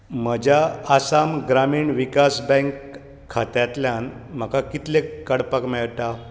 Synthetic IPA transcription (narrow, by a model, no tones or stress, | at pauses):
m̤əd͡ʑaasamɡɾamiːɳʋikasbɛ̃ŋkʰː | at̪jat̪ljanm̤əkakit̪lekəɽpakmɛɭt̪a